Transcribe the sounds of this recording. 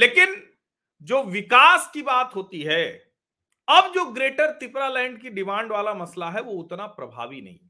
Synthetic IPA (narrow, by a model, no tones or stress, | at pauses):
leːkɪn | d͡ʒoːʋɪkaːskibaːt̪ɦoːt̪iɦɛː | ɐbd͡ʒoːɡɾeːʈəɾt̪ɪpɾalɛ̃ːɳɖ̚kiɖɪmãːɳɖʋaːlamɐslaɦɛʋoʊt̪napɾɐbʱa̰ːʋinɐ̰ɦḭ̃